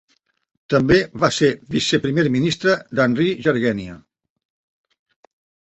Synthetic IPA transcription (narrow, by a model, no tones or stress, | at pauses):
t̪əmbeβaseβisəpɾimeɾminist̪ɾəd̪anriʒəɾɣɛniə